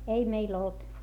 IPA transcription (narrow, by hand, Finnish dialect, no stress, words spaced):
ei meil olt